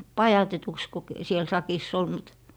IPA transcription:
pɑjɑtetuks ku k siel sɑkisː ol mut

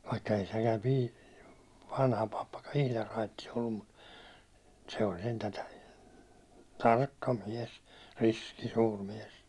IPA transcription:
ʋɑikːɑ ei sekæm pi ʋɑnhɑ pɑpːɑkɑn̞ ihlɑr rɑitˑis olːum mut se olʲ sentæ tɑrkːɑ miɛs riski suːr miɛs

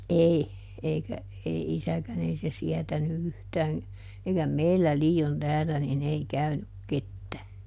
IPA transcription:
ʔei eikæ ei isækæn ei se siɛtæny yhtæːn̞ eikæ meilːæ liːon tæːlæ nin ei kæynyk ketːæː

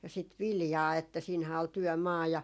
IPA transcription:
jɑ sit ʋiljɑː etːæ siːnhæː ol tyœˑmɑː jɑ

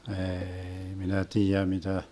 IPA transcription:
eːi minæ tiːjæ mitæ

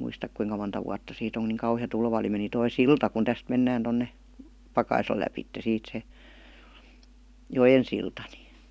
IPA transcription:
muistɑk kuiŋkɑ montɑ wuɑtːɑ siːt oŋ ku niːŋ kɑuhiɑ tulʋɑ oli meni toi siltɑ kun tæst menːæːn tonːe pɑkɑislɑ læpitːe siːt se jojen siltɑ ni

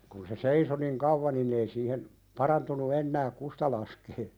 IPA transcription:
kun se seiso niŋ kɑuʋːɑ nin ei siːhen pɑrɑntunu enːæːk kustɑ lɑskeː

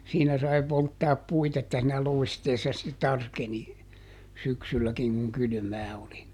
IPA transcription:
siːnæ sɑi poltːɑːp puit etːæ siːnæ loi̯steːsːɑ ste tɑrkeni syksylːækiŋ kuŋ kyly̆mæː oli

